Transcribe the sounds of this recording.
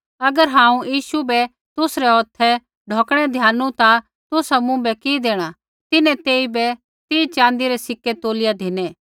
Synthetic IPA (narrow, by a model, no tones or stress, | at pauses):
ɐɡəɾɦãːũjiːsubɛ | t̪ʊsɾɛɔːt̪ʰɛ | ɖʱoːkɽ̃ɛd̪ʱjaːnːũt̪a | t̪ʊsamũbɛkid̪eːɽ̃a | t̪ɪnɛ̃t̪eːibɛ | t̪iːit͡ʃãːnd̪iɾesɪkːet̪oːlɪjad̪ʱɪnẽː